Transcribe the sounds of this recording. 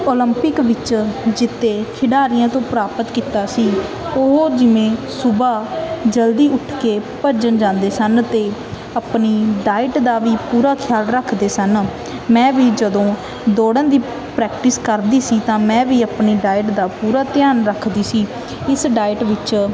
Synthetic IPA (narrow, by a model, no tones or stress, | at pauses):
oːləmpɪkʋɪt͡ʃd͡ʒɪt̪ːeːkʰɪɖaːɾɪjãːt̪õːpɾaːpət̪kit̪aːsiː | oɦoːd͡ʒɪʋẽːsʊbaːd͡ʒəld̪iːʊʈʰkeːpəɾd͡ʒənd͡ʒãːnd̪eːsənt̪eː | əpniːɖaːɪʈd̪aːʋiːpuːɾaːkʰɪjaːlɾəkʰd̪eːsən | mɛ̃ːʋiːd͡ʒəd̪õː | d̪oːɽãːd̪iː | pɾɛːkʈɪskəɾd̪iːsiːt̪ãːmɛ̃ːʋiːəpniːɖaːɪʈd̪aːpuːɾaːt̪ɪjaːnɾəkʰd̪iːsiː | ɪsɖaːɪʈʋɪt͡ʃ